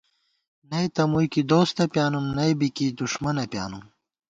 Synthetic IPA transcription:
nɐjt̪ɐmujkid̪oːst̪ɐpjaːnumnɐjbikid̪uʂmɐnɐpja̰ːnum

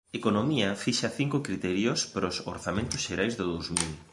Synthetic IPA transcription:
ekonomiɐfiʃɐθiŋkʊkɾit̪ɛɾjospɾoso̰ɾθamẽnt̪ʊsʃeɾajzðʊðowzmil

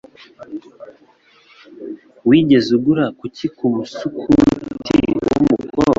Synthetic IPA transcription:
wiːɟe̞zuɡuɾakucikumusukʰutʰḭwṵmukʰoɾ

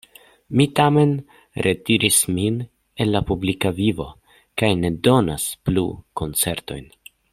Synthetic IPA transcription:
mitame̞n | ɾʔetiɾʔismin | e̞lːapublikavivo̞̰ | kajne̞do̞na̰splṵko̞nt͡se̞ɾto̞̰jn

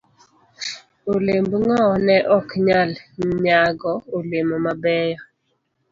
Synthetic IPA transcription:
olembŋɔnɛʔɔkɲalɲaɡɔolemomabɛjɔ

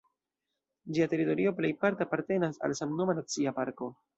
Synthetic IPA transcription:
d͡ʒiate̞ɾito̞ɾio̞ple̞jpaɾteapaɾte̞nasa̰lsamnomanat͡siapaɾko̞

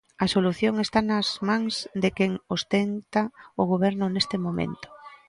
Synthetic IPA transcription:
ɐsoluθjoŋest̪anɐzmãŋzd̪ekeŋost̪ent̪aʊɣ̞oβ̞ɛɾnʊnest̪ɪmomḛnt̪o̥

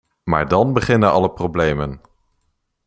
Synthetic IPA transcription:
ma̰ːɹdɑnbəχɪnənɑ̰ləprowblejmən

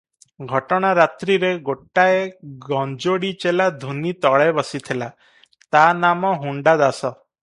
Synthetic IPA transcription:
ɡʱɔʈɔɽ̃aɾat̪ɾiɾeɡoʈːaeɡɔnd͡ʒoɽit͡ʃelad̪ʱunit̪ɔɭebɔsit̪ʰela | t̪anamɔɦuɳɖad̪asɔ

